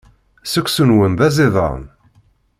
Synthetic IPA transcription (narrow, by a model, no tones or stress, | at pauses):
səkʷːsunwənðæzɪðˤɑ̰ʁn